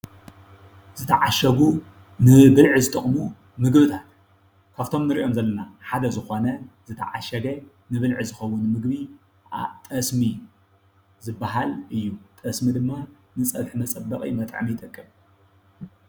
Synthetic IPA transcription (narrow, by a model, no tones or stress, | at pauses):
z̥ɨt̪ʰɐʕaʃɐɡu | nɨbɨlʕɨzɨt̪ʼɐχʼmu | mɨɡbɨt̪ʰat̪ | kʰaβt̪ʰo̞mnɨɾiʔo̞mzɐlːɐnaħad̪ɐzɨxo̞nɐzɨt̪ʰɐ̰ʕaʃɐɡɐ | nɨβɨlʕizɨxɐwʊnmɨɡbi | a̰t̪ʼɐsmi | zɨbːaɦalʔɨjːut̪ʼɐsmid̪ɨmːa | nɨt͡sʼɐbħmɐt͡sʼɐbːɐχʼḭmɐt̪ʼʕmijt̪ʼɐkʼːɨm